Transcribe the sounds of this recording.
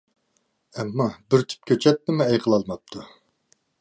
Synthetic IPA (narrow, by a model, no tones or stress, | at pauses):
ɛmːɑbɪɾt̪ʰy̥p̚kʲʰøt͡ʃʰɛt̪ːɪmɪɛjqʰəlˠɑlˠmɑp̚t̪ʰu